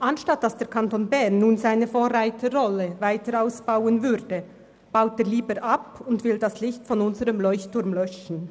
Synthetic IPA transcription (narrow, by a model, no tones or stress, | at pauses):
ʔanʃtat̚d̥asd̥eːɐkʰantoːnbɛʁnːuːnzaɪnəfoːʁaɪtʰəʁɔləvaɪtəɾaʊsb̥aʊənvʏdə | b̥aʊt̚deːɐliːbəɾʔapʊntv̥ɪldaslɪçtfɔnʊnzəʁəmlɔʏçtʰːʊɐmlœʃn̩